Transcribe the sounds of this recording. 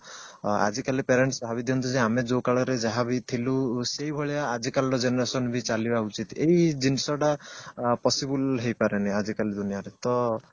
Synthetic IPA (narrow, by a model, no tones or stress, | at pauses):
a̰d͡ʒikalipeɾeɳʈsɔɦabid̪iɔnt̪ʰid͡ʒeamed͡ʒokaɭɔɾed͡ʒaɦabit̪ʰiluseibʱɔɭijaːd͡ʒikalɾɔd͡ʒenɔɾesɔnbʱit͡ʃalibaut͡ʃit̪eid͡ʒinisɔʈapɔsibulɦejpaɾeniad͡ʒikalid̪unijaɾet̪ɔ